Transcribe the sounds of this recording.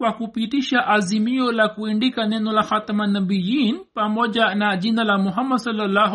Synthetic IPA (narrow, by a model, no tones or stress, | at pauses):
kwakupitiʃaʔazimiɔlakuindikanɛnɔlaxatamanabijinpamɔʄanaʄinalamuɦamːadsɔlalːa